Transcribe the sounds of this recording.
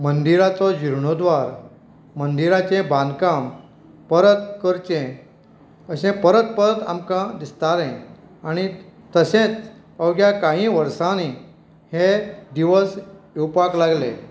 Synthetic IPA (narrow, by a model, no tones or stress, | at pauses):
mənd̪iɾat͡sɔd͡ʑiɾɳɔd̪ʋaɾ | mənd̪iɾat͡ɕẽbʱãnd̪kãm | pəɾət̪kəɾt͡ɕẽ | əsẽpəɾət̪̚pəɾət̪a̰mkãd̪ist̪aɾɛ̃ | aɽ̃it̪əsẽt͡s | əwɡjakãɦĩʋəɾsãni | hed̪iʋəsewpaklaɡlḛ̃